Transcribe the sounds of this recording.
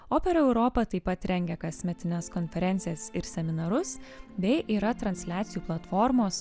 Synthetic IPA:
oːpʲɛɾɛʊɾoːpɐt̪ɐɪpɐt̪ɾʲɛŋʲɡʲɛkɐsʲmʲɛt̪ʲɪnʲɛskoːnʲfʲɛɾʲɛnt̪sʲɪjɛsɪɾsʲɛmʲɪnɐɾʊsbʲɛɪʔiːɾɐt̪ɾɐnʲsʲlʲæːt̪sʲɪjuːplˠɐt̪fɔːɾmoːs

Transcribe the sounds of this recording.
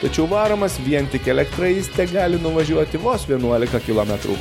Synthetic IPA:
t̪ɐt͡ʃʲɛʊʋɑːɾɐmɐsʋʲiɛnt̪ʲɪkɛlʲɛkt̪ɾɐisʲt̪ʲɛɡɑːlʲɪnʊʋɐʒʲuɔt̪ʲɪʋoːsʋʲiɛnuɔlʲɪkɐkʲɪlˠoːmʲɛt̪ɾṵː

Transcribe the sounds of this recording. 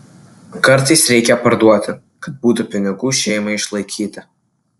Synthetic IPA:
kɐɾt̪ɐɪsɾʲɛɪkʲɛpɐɾd̪uɔt̪ʲɪ | kɐt̪̚buːt̪ʊpʲɪnʲɪɡuːʃʲɛɪmɐɪʃlˠɐɪkʲiːt̪ɐ

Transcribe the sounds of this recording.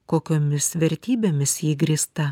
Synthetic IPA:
koːkʲoːmʲɪsʋʲɛɾʲt̪ʲiːbʲeːmʲɪsjiːɡɾʲiːst̪ɐ

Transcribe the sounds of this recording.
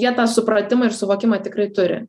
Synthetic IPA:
jiɛt̪ɑːsʊpɾɐt̪ʲɪmɐɪɾsʊʋoːkʲɪmɑt̪ʲɪkɾɐɪt̪ʊɾʲɪ̰

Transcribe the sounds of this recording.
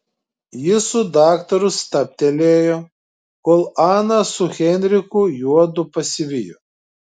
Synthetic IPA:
jɪsʊd̪ɑːkt̪ɐɾʊst̪ɐpʲt̪ʲɛlʲeːjoː | koːlˠɑːnɐsʊxʲɛnʲɾʲɪkʊjuɔd̪ʊpɐsʲɪʋʲɪjo

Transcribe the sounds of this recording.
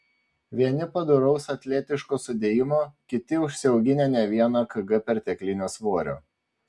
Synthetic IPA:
ʋʲiɛnʲɪpɐd̪ʊɾɐʊsɐt̪ʲlʲeːt̪ʲɪʃkoːsʊd̪ʲeːjɪmoːkʲɪt̪ʲɪʊʃʲsʲɪɛʊɡʲɪnʲenʲɛʋʲiɛnɐkɐɡɐpʲɛɾt̪ʲɛklʲɪnʲoːsʋoːɾʲo̰ː

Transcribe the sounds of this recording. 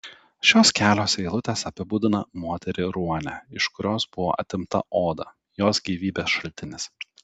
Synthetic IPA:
ʃʲoːskʲæːlʲoːsʲɛɪlˠʊt̪ʲeːsɐpʲɪbʊd̪ʲɪnɐmoːt̪ʲɛɾʲɪɾuɔnʲæ̰ɪʃkʊɾʲoːsbʊʋo̰ːʔɐ̰t̪ʲɪmt̪ɐ̰ʔoːd̪ɐ̰ | joːsɡʲiːʋʲiːbʲeːsʃɐlʲt̪ʲɪnʲɪs

